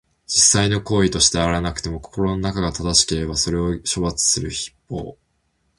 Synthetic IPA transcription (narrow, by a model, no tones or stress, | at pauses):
d͡ʑisːaino̞ko̞ːit̪o̞ɕi̥t̪e̞aɾanakɯ̟t̪e̞mo̞ko̞̥ko̞ɾo̞no̞nakaɡat̪ad̪aɕi̥ke̞ɾe̞baso̞ɾe̞o̞ɕo̞bat͡sɨ̥sɨɾɯ̟çi̥pːo̞̰ː